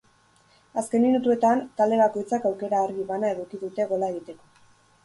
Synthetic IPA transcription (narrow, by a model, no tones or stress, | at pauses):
aske̞nminut̪ue̞t̪ant̪ald̪e̞βako̞jt͡sakawke̞ɾaːɾɣiβanae̞ðukiðut̪e̞ɣ̞o̞lae̞ɣit̪e̞ko̞